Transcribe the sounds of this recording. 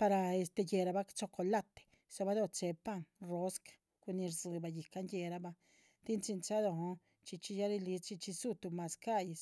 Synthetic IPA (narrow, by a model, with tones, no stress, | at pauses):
pa˧ɾa˧e˧˨st̪e˧je˨ɾa˧ba˧˦t͡ʃo˧ko˧la˦t̪e̥˨ | sa˧ba˦d̪o˧t͡ʃe˧pa˦˧˨ŋro˦skḁ˨ | ku˧ni˧ɾzɨ˨˧ba˧ji˨ka˦nje˧ɾa˧ba˧ | t̪i˦nt͡ʃi˧nt͡ʃa˦d̪o˧ɦo˧˦ | t͡ʃi˧t͡ʃi˧ja˦ɾi˧li˧˦t͡ʃi˧t͡ʃi˧su˦t̪u˧ma˧ska˦je˨s